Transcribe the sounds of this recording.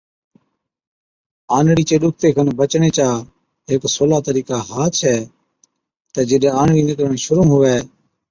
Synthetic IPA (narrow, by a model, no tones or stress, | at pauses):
aːnɽiːt͡ʃeːɗʊk̚ʰt̪eːkʰənbət͡ʃɳeːt͡ʃaː | ɦeːksoːlaːt̪əɾiːkaːɦaːt̪t͡ʃʰɛː | t̪ɛːd͡ʒɪɗɛːaːnɽiːnɪkəɾəɳ̃ʃʊɾũːmɦʊʋɛː